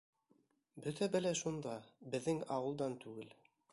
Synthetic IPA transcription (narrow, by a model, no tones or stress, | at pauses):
bɵt̪æbæ̆læʃund̪ɑbɘ̆ðːɘŋɑwɤ̆lˠd̪ɑnt̪ʉɡɘl